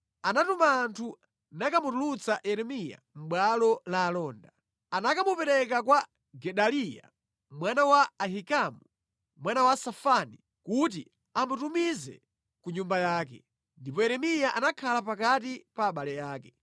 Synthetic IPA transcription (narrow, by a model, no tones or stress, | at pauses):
anatumaːntʰu | nakamutulut͡saʔɛɾɛmija̰m̩ɓwalɔlaːlɔːnda | anakamupɛɾɛkakwa | ɡɛɗalija̰ | mwanawaːɦikamu | mwanawasafani | kut̬i | amutumizɛ̰ | kuɲumbajaːk̬ɛ̰ | ndipɔɛɾɛmijaʔanakʰalapakat̬ipaːɓalɛjaːkɛ